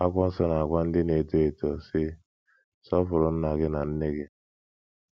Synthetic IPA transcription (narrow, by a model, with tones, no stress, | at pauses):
a˦kʷɔ˦n̩˦sɔ˦na˨a˨kʷa˦n̩˦dɪ˦ne˨to˦e˨tɔ˨se˦ | sɔ˦fʊ˨ɾɔ˨n̩˦na˨ɡɪ˦na˨n̩˦ne˦ɡe˦